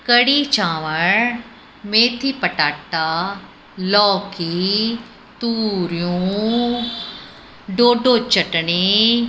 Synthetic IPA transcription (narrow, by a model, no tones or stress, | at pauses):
kəɽiːt͡ʃãːʋəɳ | meːt̪ʰiːpəʈaːʈaː | lɔːki | t̪uːɾijũ | ɖoːɖot͡ʃəʈɳe